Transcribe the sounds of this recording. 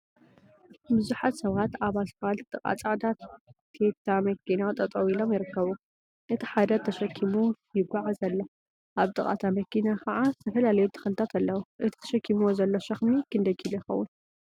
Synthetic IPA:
bɨzuħat̪sɐβat̪aβalt̪ʰalt̪t̪ʼɨkʼa̰t͡sʼaʕd̪at̪t̪ʰːet̪ʰːamɐkinat̪ʼɐt̪ʼowilomjɪɾɨkːɐβu | ʔɨt̪ʰi̥ħad̪ɐd̪̚t̪ʰɐʃɐkʰːimujɪɡʷaʕazɐlːɐ | ʔaβt̪ʼɨkʼa̰t̪ʰamɐkːinakʰɐʕazɨt̪ʰɐfɐlalɐjut̪ʰɐ̥xɐlɨt̪ʰat̪ʰalːɐwuʔɨt̪ʰit̪ʰɐ̥ʃɐkʰːimozɐlːoʃɐxmikʰɨnd̪ɐkʰilɐjɪxɐwːʊn

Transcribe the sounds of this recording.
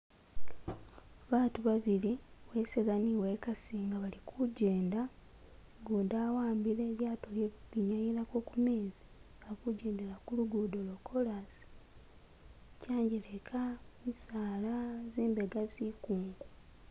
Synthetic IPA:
βaːtuβaβiliwe̞sezaniweːkasiːŋɡaβalikʰuɟe̞ːnda | ɡudawaːmbile̞ːljaːtoleβiɲajilako̞ːkumeːzi̥ | akuɟeːndelakuluɡudolokʰo̞lasi̥ | caːɲɟelekʰamisaːlaziːmbe̞ɡazikuːŋɡu

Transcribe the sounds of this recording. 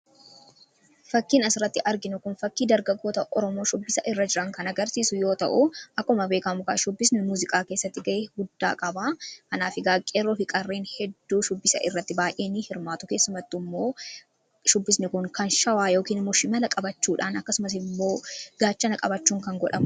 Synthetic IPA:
fɐkːiːnɐsɪɾɐt̪ːɪʔɐɾɡɪnʊkʊnfɐkːiːd̪ɐɾɡɐɡːo̞ːt̪ɐʔɔɾɔmo̞ːʃʊbːɪsɐʔɪrːɐd͡ʒɪɾɐŋkɐnɐɡɐɾsiːsʊjo̞ːt̪ɐ̰ʔʊʔɐkːmɐbeːkɐmʊka̰ːʃʊbːɪsnɛmuːzɪkʼaːke̞ːsːɐt̪ːɪɡɐʔeːɡʊd̪ːa̰ːkʼɐbaːkɐnaːfɪɡaːkʼːeːrːoːfɪkʼɐrːeːnhɛd̪ːuːʃʊbːɪsɐ̰ʔɪrːɐt̪ːɪbaːʔe̞ːnihɪɾmaːt̪ʊke̞ːsːʊmɐt̪ːɪmːo̞ː | ʃʊbːɪsnɪkʊŋkɐnʃɐwaːjoːkiːnɪmːoːʃɪmɐlɐkʼɐbɐt͡ʃːuːᶑaːnɐkːɐsʊmɐs̬ɪmːo̞ːɡ̥aːt͡ʃːɐnɐkʼɐbɐt͡ʃːuːŋkɐŋɡɔᶑɐmʊ

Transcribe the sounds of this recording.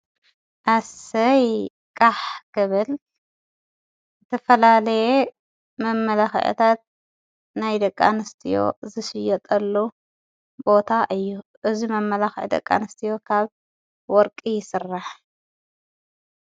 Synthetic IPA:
ʔasɐj | kʼaħkʰɨβɨl | ɨt̪ʰɐfɐlalɐje | mɐmːɐlaxʔt̪ʰat̪̚ | najd̪ɐkʼːa̰nɨst̪ʰijo̞̰zɨʃɨjːɛt̪ʼɐlːu | bo̞t̪ʰaʔɨjːuʔɨzimɐmːɐlaxʔd̪ɐ̰kʼːa̰nɐst̪ʰijo̞kʰaβ | wɔɾkʼijɪsɨrːaħ

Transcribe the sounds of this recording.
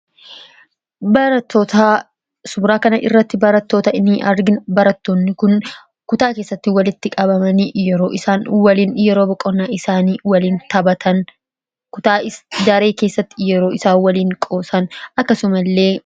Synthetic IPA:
bɐɾɐt̪ːot̪aː | sʊbɾaːkɐnɐʔɪ̰rːɐt̪ːɪbɐɾɐt̪ːo̞ːt̪ɐɪnːɪʔɐɾɡɪnbɐɾɐt̪ːoːnːɪkʊn | kʊt̪aːke̞ːsːɐt̪ːɪwɐlɪt̪ːɪkʼɐbɐmɐnijɛɾo̞ːʔɪsaːnwɐliːnjɛɾoːbɔkʼɔnːaːʔɪsaːniːwɐliːnt̪ɐbɐt̪ʰɐn | kʊt̪aːɪd͡ʒaːɾeːke̞ːsːɐt̪ːɪjɛɾo̞ːɪsaːnwɐliːŋkʼo̞ːsɐnʔɐkːɐsʊmɐlːe̞ː

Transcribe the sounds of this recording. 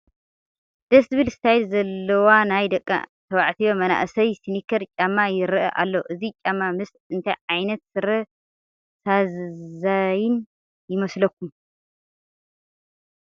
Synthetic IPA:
d̪̥ɐsβɨlst̪ʰajlzɐlːɐwanajd̪ɐkʼːa̰t̪ʰɐwaʕt̪ʰijomɐna̰ʔsɐjsinikʰɐɾt͡ʃʼamːajɪɾʔɐʔa̰lːoʔɨzit͡ʃʼamːamɨs | ɨnt̪ʰajʕajnɐt̪̚sɨɾɐ | sazzajɪn | jɪmɐslɐk̚ʰːum

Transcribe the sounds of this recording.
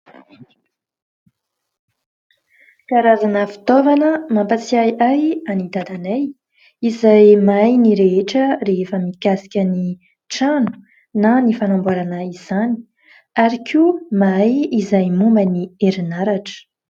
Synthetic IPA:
kaɾazanəfi̥t̪ovanəmampat͡siajajanid̪ad̪anaj | izajmajniɾeeʈ͡ʂəɾeefəmikasi̥kʲəni | ʈ͡ʂanu̥ | nanifanambuaɾanaiz̥ani̥ | aɾikʰumajizajmumbənieɾinaɾaʈ͡ʂə̥

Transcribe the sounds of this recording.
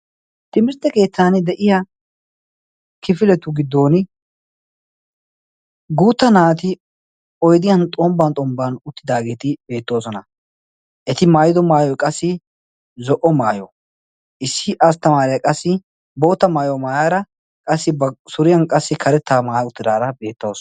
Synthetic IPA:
t̪ɪmɪɾt̪ːɛke̞ːt̪ːaːnd̪ɛʔɪjɐ | kɪfɪlɛt̪ːʊɡɪd̪ːo̞ːn | ɡuːt̪ːɐnaːt̪ɪ | ɔjd̪ɪjɐnt̪ʼɔmbɐnt̪ʼɔmbanʊt̪ːɪd̪aːɡe̞ːt̪ɪbe̞ːt̪ːo̞ːsɔnɐ | ʔɛt̪ɪmaːjɪd̪ɔmaːjɔjkʼɐsːɪ | zɔʔɔmaːjɔ | ʔɪsːɪʔɐs̬t̪ːɐmaːɾɪjɐkʼɐsːɪ | bo̞ːt̪ːɐmaːjɔmaːjaːɾɐ | kʼɐsːɪbɐsʊɾɪjɐnkʼɐsːɪkʰɐɾɛt̪ʰːaːmaːjʊt̪ːɪd̪aːɾɐbe̞ːt̪ːoːsɔ

